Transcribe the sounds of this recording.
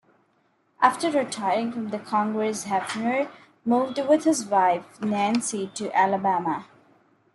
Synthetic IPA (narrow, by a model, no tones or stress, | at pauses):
ʔæfʈəɾɾɪʈʰaɪəɾɪ̃ŋfɾʌ̃md̪əkʰɔ̃ŋɡɾɛsɦæfnəɾ | muːvɖwɪd̪hɪzwaɪfnæ̃nsiʈuʔæləbæmə